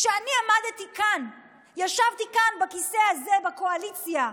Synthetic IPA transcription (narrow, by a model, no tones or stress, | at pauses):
ʃeaniamad̪et̪ikan | jaʃavt̪ikanbakisehazebako̞alit͡sja